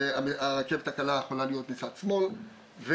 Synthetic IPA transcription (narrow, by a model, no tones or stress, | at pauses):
aaʁeke̞vet̪akalajeχolalijo̞t̪nisatsmo̞l | ve